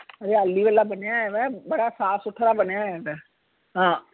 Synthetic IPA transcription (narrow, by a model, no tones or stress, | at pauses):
əɾeːəlːiːʋəlːaːbənjaːɛʋɛ̃ːbəɽaːsaːsʊʈʰːɾaːbənejaːɛːd̪ɛː | ɦãː